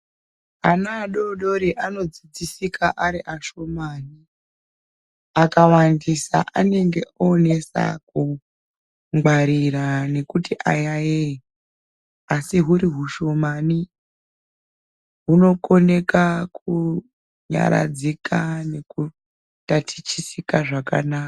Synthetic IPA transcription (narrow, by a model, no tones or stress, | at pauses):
anaːɗo̞ɗo̞ɾiʔano̞d͡zid͡zisikʰaʔaɾiʔaʃo̞maːni | akawandisa̰ʔane̞ŋɡe̞ʔoːne̞sa̰ku | ŋɡwaɾirane̞kutiʔa̰jajei | asiɦuɾiɦuʃo̞mani | ɦuno̞ko̞ne̞kaku | ɲa̰ɾa̰d͡zikʰane̞ku | tatʰi̥t͡ʃisikaʐaka̰naːka